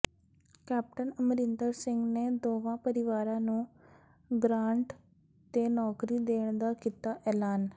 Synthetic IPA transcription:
kɛːp̚ʈənəmɾɪnd̪əɾsɪ̃ŋɡneːd̪oːʋãːpəɾɪʋaːɾãːnũː | ɡɾaːɳʈ | t̪eːnɔːkɾiːd̪eːɳ̃d̪aːkiːt̪aːʔɛːlaːn

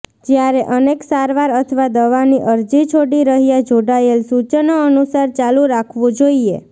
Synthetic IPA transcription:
d͡ʒjaɾeʔəneksaɾʋaɾət̪ʰəʋad̪əʋaniʔəɾd͡ʒit͡ʃʰoɽiɾəɦijad͡ʒoɽaelsut͡ʃənoənusaɾt͡ʃaluɾakʰʋõd͡ʒoiḛ

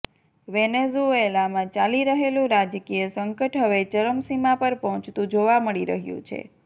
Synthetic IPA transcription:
ʋenezuelamãt͡ʃaliɾəɦelũɾad͡ʒkijəsəŋkəʈɦəʋet͡ʃəɾəmsimapəɾpəɦɔ̃t͡ʃt̪ũd͡ʒoʋaməɭiɾə̰ɦjṵ̃t͡ʃʰḛ

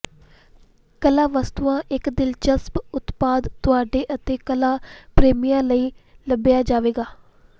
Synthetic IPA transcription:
kəlaːʋəst̪uãːʔɪkd̪ɪlt͡ʃəspʊt̪paːd̪t̪ʊaːɖeːʔət̪eːkəlaːpɾeːmijãːləiːləbɪjaːd͡ʒaːʋeːɡaː

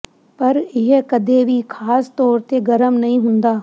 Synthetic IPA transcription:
pɐɾɪɦkɐd̪ʱebʱikʰaːst̪ɔːɾt̪eɡɐɾəmnɐɦĩɦʊ̃nd̪aː

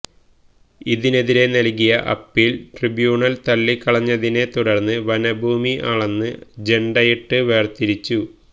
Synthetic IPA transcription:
iðine̞ðiɾe̞nɐlk̬ijɐʔɐ̰pːilʈribjuːɳɐlt̪ɐlːikːɐɭɐɲːɐðine̞t̪uɽɐrnːɨʋɐnɐbʱuːmiʔaːɭenːɨd͡ʑe̞ɳɖɐjiʈːɨʋe̞ːrt̪iɾit͡ɕːu

